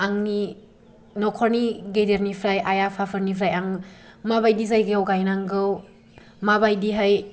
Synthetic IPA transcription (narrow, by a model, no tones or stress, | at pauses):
aŋni | nɔkʰɔɾniɡejdeɾnipʰɾajajapʰapʰaɾnipʰɾajaŋmaβajdizajɡeawɡajnaŋɡɯw | mabajdiɦaj